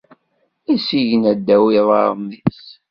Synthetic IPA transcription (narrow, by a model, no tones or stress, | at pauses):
isiʝənæd̪ːæwiðˤɑ̰ɾˤmis